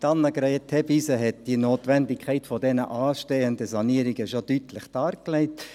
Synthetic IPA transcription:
tɑnːəɡɾɛɪtʰhɛbisəɦɛt̚d̥inoːtʋɛndɪkχɛɪtfodɛnə̰ʔɑːʃteːəndəsɑniəɾɪɡəʃod̥yːtlɪχd̥ɑːɾklɛɪt

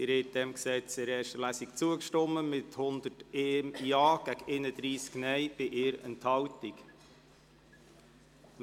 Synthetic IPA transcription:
ɪɾhɛt̚d̥ɛmksɛt͡sɪɾɛːɾʃtəlæːsikt͡suəkʃtɔmːəmɪthʊnd̪əteːmːɑːɡ̥æɡeːnəd̪ɾiːsknɛjb̥ɪʔɪːɾənthɑltik

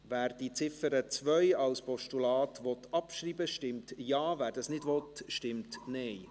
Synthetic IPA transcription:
ʋæːɾd̥it͡sɪfəɾət͡sʋœjɑlspʰɔʃtulɑːtʋɔt̪ʰɑpʃriːbəʃtɪmtjɑːvæːɾdɑsnɪdʋɔt̪ʃtɪmtnɛj

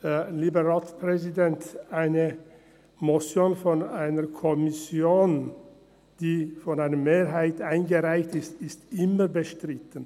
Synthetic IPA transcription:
hɛliːbəʁaːtpʁɛzidɛntʔaɪnə | mosjoːnfɔnaɪnəkʰɔmɪsjoːn | d̥iːfɔnaɪnəmeːɾɦaɪtaɪnɡəʁaɪçtɪstɪstʔɪməbəʃtʁ̥ɪtən̩

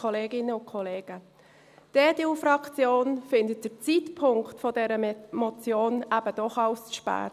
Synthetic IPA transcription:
ɔleːɡɪnːəʊnkʰɔleːɡ̥ə | d̥ɛːd̥eufɾɑkt͡sjoːnfɪndət̚d̥əɾt͡sitpʰʊŋktfɔdɛɾəmɔt͡sjoːnæb̥əd̥ɔχɑʊsʃpæ̰ː

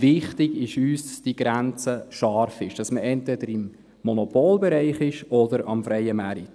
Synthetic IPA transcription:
ʋɪχtɪɡ̥ɪʃyːsdsd̥iɡ̥ɾænt͡səʃɑːɾfɪʃd̥ɑsməʔɛntvɛdəɾɪmː | ɔnɔpoːlbɛɾæɪχɪʃɔdəɾɑ̰mfɾɛɪəmæɾit

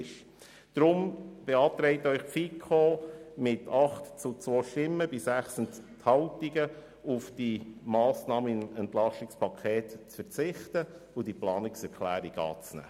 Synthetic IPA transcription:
ʃ | d̪̥ɾʊmb̥eɑːt̪ɾɛɪt̪œʏχfikʰχoːmɪtʰɑχt̪t͡sut͡sʋoːʃtɪmːəb̥ɪsæχsəntthɑʊtiɡə | ufd̥imɑːsnɑːməɪnɛnt̪lɑʃtɪkspʰɑkʰeːt̪t͡sfəɾt͡sɪχt̪ə | ʊd̥iplɑːnɪksɛɾkʰlæ̰ːɾiɡ̥ɑ̰ːt͡snæ̰ː

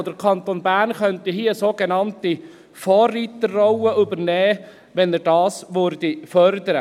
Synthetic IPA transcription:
d̥əɾkʰɑnt̪oːnbæːɾnχœnt̪iɦiəsoːɡenɑnti | fɔːrːiːt̪əːɔwəʔʏbəɾnɛː | ʋɛnəɾdɑːsʋøɾdifœɾd̪əɾə

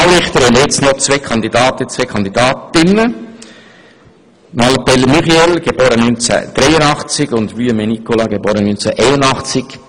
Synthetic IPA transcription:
awɾɪχt̪əɾɛnjɛt͡stnɔχt͡sʋeːkʰɑnd̪id̪ɑːt̪ət͡sʋeːkʰɑnd̪id̪ɑːtɪnə | mɑlpɛlmyχiɛlɡ̥eb̥oːɾənynt͡sɛ̰d̥ɾɛɪjənɑχt͡sɪɡʊnd̪ʋyəmenikolɑɡeboːɾənynt͡sɛʔɛɪnʊnɑχt͡sɪɡ̥

